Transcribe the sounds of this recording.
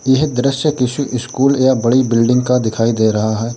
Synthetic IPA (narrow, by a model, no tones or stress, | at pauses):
jɪɦd̪ɾɪʃjəkɪʃuʔɪskuːljabɐɽibɪlɖɪ̃ŋɡ̚kad̪ɪkʰaːid̪eːɾɐɦaɦɛː